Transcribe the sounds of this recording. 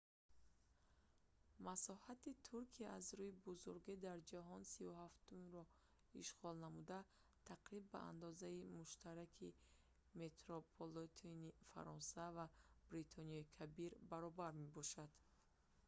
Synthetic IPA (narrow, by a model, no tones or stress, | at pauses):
masɔhat̪it̪ʰuɾkʰiazɾuibuzuɾɡid̪aɾd͡ʒaɦɔnsivuhaft̪umɾɔ | iʃʁɔlnamud̪a | t̪ʰaqɾibːa̰a̰nd̪ɔzaimuʃt̪ʰaɾakʰi | me̞t̪ɾopʰolot̪ʰinifa̰ɾɔnsavab̥ɾit̪ʰɔniɔikʰabiɾbaɾɔbaɾme̞bɔʃad̪̥